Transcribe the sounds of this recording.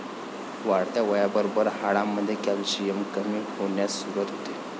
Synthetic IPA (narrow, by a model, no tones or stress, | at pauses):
ʋaɽt̪jaʋəjabəɾobəɾhaɽamːəd̪ʱːjekalɕijəmkəmiːhoɳjasuːɾət̪ɦot̪e